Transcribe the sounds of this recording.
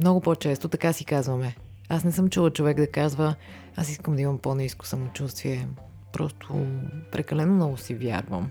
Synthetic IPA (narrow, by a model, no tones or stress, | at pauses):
mnɔɡʊpot͡ʃɛst̪ot̪ɐkasikazvəmɛ | asnɛsɤmt͡ʃulˠət͡ʃovɛɡd̪ɐkazvə | asiskəmd̪ɐimɐmponisko̥sɐmot͡ʃust̪viɛ | pɾɔst̪ʰo̰pɾɛkɐlɛnomnɔɡʊsivʲja̰ɾvə̰m